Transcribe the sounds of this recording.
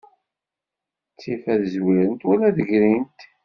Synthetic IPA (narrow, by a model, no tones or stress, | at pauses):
t͡sːifæðzwiɾənt̪wælæðəʝɾint̪